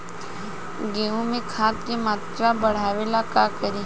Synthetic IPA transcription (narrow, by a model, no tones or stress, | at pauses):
ɡeũmẽkʰaːt̪̚kemaːt̪ɾabəɽ̤aːʋeːlakakəɾi